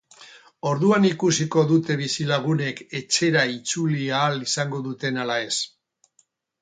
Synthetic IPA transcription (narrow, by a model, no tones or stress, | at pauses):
o̞ɾðuanikusiko̞ðut̪e̞β̞isilaɣ̞une̞ke̞t͡ʃe̞ɾait͡suliaːlisaŋɡo̞ðut̪e̞nalae̞s